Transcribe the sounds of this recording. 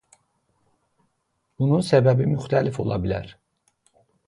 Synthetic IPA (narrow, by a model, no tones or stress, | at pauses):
bununsæbæbimyxt̪ʰælifo̞̰lˠɑ̰bilæ̰ɾ